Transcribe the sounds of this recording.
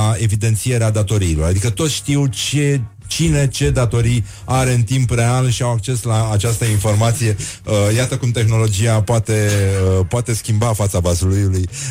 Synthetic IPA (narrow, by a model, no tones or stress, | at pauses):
e̞vid̪e̞nt̪sije̞ɾead̪at̪o̞ɾiːlo̞ɾad̪ikət̪o̞t̪sʃt̪iwt͡ʃe | t͡ʃine̞t͡ʃe̞d̪at̪o̞ɾij | aɾe̞ɨnt̪impre̞alʃiawak̚t͡ʃe̞slaːt͡ʃast̪əinfo̞rmat̪sije̞əjat̪əkumt̪e̞xno̞lo̞d͡ʒijapoat̪e̞əpoat̪e̞skʲimbafat̪savazulujuluj